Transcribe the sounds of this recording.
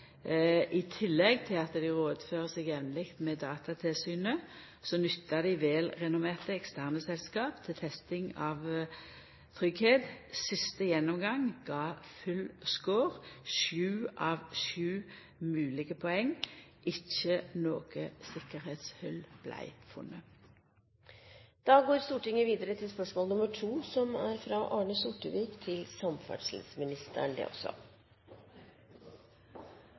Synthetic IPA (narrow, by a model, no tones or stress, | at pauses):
ʔɪt̪ʰɪlːɛɡt̪ʰɪlɑt̪d̪ɪʁoːd̪føːʁəsɛɡjɛʋnəlɪkt̪mɛːd̪ɑːt̪ɑt̪ʰɪlsyːnə | sɔnʏt̪ʰːɑd̪ɪʋeːlʁɛnʊmeːʁt̪əɛkst̪ʰæʁnəsɛlskɑːpt̪ʰɪlt̪ʰɛst̪ɪŋɑʋ | t̪ʰʁʏɡheːt̪sɪst̪əjɛnːɔmɡɑŋɡ̥ɑːfʉlskoːʁʃʉːʔɑʋʃʉː | mʉːlɪɡəpʰɔɛŋʔɪçənoːɡ̥əsɪkəɾheːt̪shœlb̥læ̰ɪfʉ̰nːə | d̪̥ɑːɡoːɾst̪uːʈɪŋəʋiːd̪əɾət̪ʰɪlspœʂmɔːlnʊməʈʰuːsɔmæɾfɾɑʔɑːɳəsʊʈəʋiːkt̪ʰɪlsɑmfæ̰ɖʂlɪ̰smɪnɪst̪ʰə̰ɳd̪ɛ̰ːʔɔsɔ̰